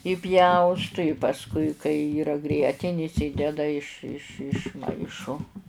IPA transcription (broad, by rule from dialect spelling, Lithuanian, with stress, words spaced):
ɪˈpʲjɛʊstʊ ɪ pɐsˈkʊɪ kɐɪ ˈiːrɐ ˈɡrʲiɛtʲɪnʲɪs ˈɪdʲɛdɐ ɪʃ ɪʃ ɪʃˈmɐɪʃoː